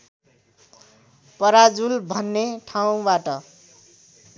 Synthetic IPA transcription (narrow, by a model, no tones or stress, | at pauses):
pʌɾad͡zulbʱʌnːeʈʰaũbaʈʌ